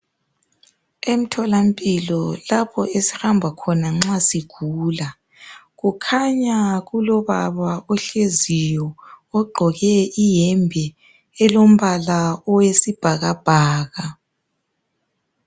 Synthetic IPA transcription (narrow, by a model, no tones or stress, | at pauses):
em̩tʰɔlam̩pʼilɔlapʰɔʔesi̥hambʱakʰɔnaŋ͡ǁasiɡ̥ʱuːla | ɣukʰaɲaɣulɔβa̰βaɔɬezijɔːɡ͡ǃʱɔɣɛijɛmbʱɛ | ɛlom̩βalaɔwesib̥ʱaɣab̥ʱaːɣa